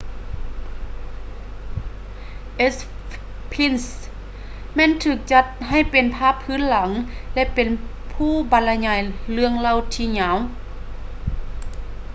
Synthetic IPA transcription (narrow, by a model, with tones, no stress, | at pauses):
ʔe˧˥s | pʰi˧˥˨ns | mɛː˧˥˨nt̪ʰɯː˧˩k̚t͡ɕa˧t̪̚ɦa˧˩jpe˨npʰaː˧˥˨pʰːɯː˧˥˨nla˨˩˦ŋlɛ˧˥pe˨npʰuː˧˥˩ba˨˩nla˧ɲaː˧˩jlɯ˧əŋla˧˩˨wt̪ʰiː˧˨ɲaː˨˦w